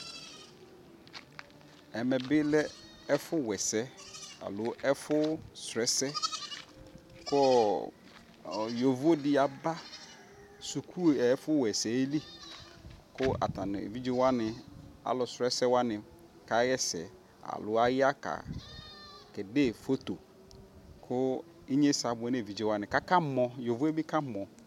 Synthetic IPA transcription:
ɛ˨mɛ̃˨bɪ˦lɛ˦ | ɛ˦fʊ˦wɛ˨sɛ˦a̰˨lʊ˨˦ɛ˦fʊ˦sɾɛ˦sɛ˦ | kʰʊ˦˨ | jo˨vo˦dɪ˦a˨ba˦ | su˨kʰu˦˨ɛ˨˦fʊ˦wɛ˨sɛ˨˦li˦ | kʊ˦a̰˨tã˨n̰˨ḛ˨vi˦d͡ʒe˦wa˦nɪ̃˨a̰˨˦lʊ˨sɾɛ˦sɛ˦wa˦nɪ̃˨ | ka˦jɛ˦sɛ̰˨ | a̰˨lʊ˨a˦jɪ˦a˦ka̰˨ | kɛ˨de˦˨fo˦t̪o˨ | kʰʊ˦ | i˦ɲe˦sa˨bʊ˨ɛ˦ne˦˨vi˨d͡ʒe˦˨wa˦nɪ̃˨ka˦ka˦mɔ̃˨jo˨vu˦e˦bi˦ka˦mɔ̃˨

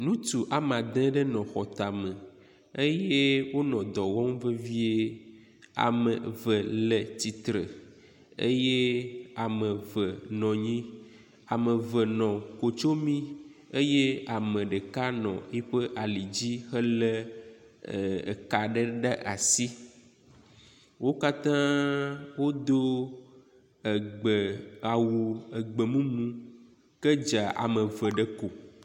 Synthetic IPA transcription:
nũ˦t̪u˨ʔa˨mã˨d̪ẽ˦ɖe˦nɔ̃˨xɔ˨t̪a˨me˨ | e˦je˦wo˦nɔ̃˨d̪ɔ˨wɔ̃˦ŋ˦və˦vi˦e˦ | a̰˨mə˨və˨le˨t̪i˨t̪ɾə˨ | ḛ˦je˦a˨mə̃˨və˨nɔ̃˨ɲĩ˦ | a˨mə̃˨və˨nɔ̃˨ko˨t͡ʃo˦mĩ˦e˦je˦a˨mə̃˨ɖe˨ka˦nɔ̰̃˨e˦ɸə˦ʔa˨li˨d͡ʑi˦xə˦lə˦˨ | ḛ˨ka˨ɖe˦ɖe˦ʔa˨si˦ | wo˦ka˦t̪ã˦wo˦d̪o˦˨ | ɡ͡bə˨a˨wo˨ə˨ɡ͡bə˨mũ˦nũ˦ | ke˦d͡ʒa˨ʔa̰˨mə̃˨və˨ɖə˦ko˨

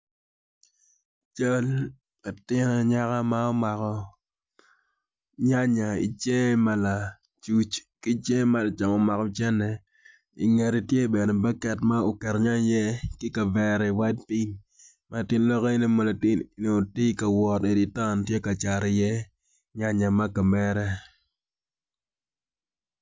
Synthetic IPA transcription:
t͡ʃa˦l | ka˨tɪ˦na˨ɲa˦ka˦ma˦ɔ˦ma˨kɔ˨ | ɲa˦ɲa˨ḭ˨t͡ʃe˦ma˦la˨ | t͡ʃu˦t͡ʃki˦t͡ʃe˦ma˦la˨t͡ʃa˨ŋɔ˨ma˨kɔ˨t͡ʃɛ˦nɛ˨ | ḭ˨ŋe˨ɾi˨tje˦bɛ˨nɛ˨ba˦kɛ˨tma˦o˨kɛ˨ɾɲa˦jɛ˦kɪ˦ka˨vɛ˨ɾi˨wa˦t͡ʃpi˦ɲ | ma˨tɪ˦nlɔ˦kɔ˦i˦ni˦mɔ˨la˨tɪ˦˨˦n˨o˨ti˦ka˨wɔ˨te˨di˨ta˦ntje˦ka˨t͡ʃa˨ɾɪ˨jɛ˦ | ɲa˦ɲa˨ma˦ka˨mɛ˦ɾɛ˦

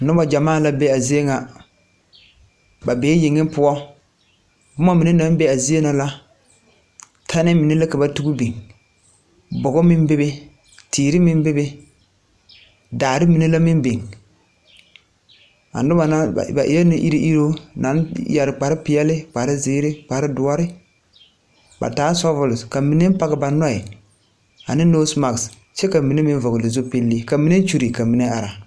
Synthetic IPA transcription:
nʊ˦ba˨d͡ʒa˨maː˦˨la˦bɛ˦a˨zi˦e˦ŋa˨ | ba˨beː˨˦ji˨ŋːɪ˦m˦pʊ˦ɔ˦ | bʊ˦ma˦mi˨ne˦na˦n˦bɛ˦a˨zi˦e˦na˨la˦ | tʰa˦nɪ˦mɪ˨ne˦la˦ka˨ba˨tu˦ɡu˦be˨ŋ | bɔ˨ɣɔ˦mɪ˦mbɪ˦bɪ˦ | tʰiː˨ɾɪ˦mɪ˦m˦bɪ˦bɪ˦ | daː˨ɾɪ˦mi˨ne˦la˦mɪ˦m˦be˨ŋ | a̰˨n˦dʊ˦ma˨na̰˦˨ba̰˨ʔɪ̰˦ɛ˦nɪ˦ʔi˦ɾi˦ʔi˦ɾo˦na˨˦jɛ˨ɾɪ˨k͡pa˨ɾɪ˦pɪ˦ɛ˦lɪ˦k͡pa˨ɾɪ˦zɪː˦ɾɪ˦k͡pa˨ɾɪ˦dʊ˦ɔ˦ɾɪ˦ | ba̰˨taː˨˦sɔ˦vʊ˨lʊ˨ska˨mi˨ne˦m˦pa˦ɣɪ˦ba˨nɔ˦ɪ˨ | a̰˨nɪ˦noː˦sma˨ɡs | t͡ʃɛ˦ka˨mi˨ne˦mɪ˦n˦vʊ˨ɡʊ˨lɪ˨zo˦pe˦lːi˦ka˨mi˦ne˦t͡ʃu˦ɾi˨ka˨mi˨˦ne˦a˨ɾa˨

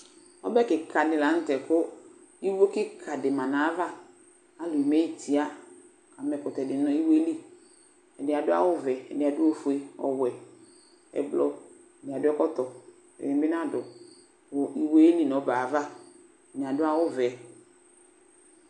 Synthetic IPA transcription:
ɔ̰˦bɛ˦kɪ˨kʰa˨dɪ˨la˨˦n̩˦tɛ˨kʊ˦ | i˦wo˦kɪ˦kʰa˨dɪ˨mã˨na˨˦va˦ | a˦lʊ˨i˨me˦i˨tʰi˨a˦ | ka˨mɛ˨kʊ˨tɛ˨dɪ˨˦nɔ˦i˦wli˦ | ɛ˨dɪ˨a˨dʊ˦a̰˦wʊ˦vɛ˨ɛ̰˨dɪ˨a˨dʊ˦o˦fu˨e˦ɔ̰˨wɛ˨ | ɛ̰˨blɔ˨ | ɛ˨nɪ˨a˨dʊ˦ɛ˦kɔ˦tɔ˨ | ɛ̰˨ɪ˨˦bɪ˦n˦ã˦dʊ˨ | wʊ˨i˨we˦e˦li˦nɔ˨˦baː˨va˦ | ɛ˨nɪ˨a˨dʊ˦a˦wʊ˦vɛ˨˦

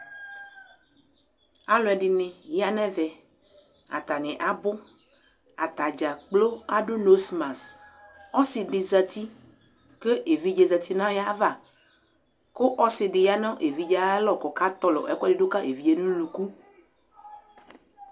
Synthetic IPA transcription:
a˨lɔ˦ɛ˨ɖɪ˨nẽ˨ja˦nɛ̃˦vɛ˨ | a̰˨t̪a˨nẽ˨ʔa˨bo˦ | a̰˨t̪a˨d͡ʒa˨k͡plo˦a˦ɖo˦no˦smã˨s | ɔ˦si˨ɖɪ˨za˨t̪i˦ | ke˦ʔe˨vi˦d͡ʒe˨za˨t̪i˦nã˦ja˦va˦˨ | ko˦ʔɔ˦sɪ˨ɖɪ˨ja˦nɔ̃˦ʔe˨vi˦d͡ʒa˦lɔ˨kɔ˨ka˦t̪ɔ˦lɔ̰˨ʔɛ˨˦kdi˦ɖo˦ka˦ʔe˨vi˦je˦nũ˦lũ˨ku˦

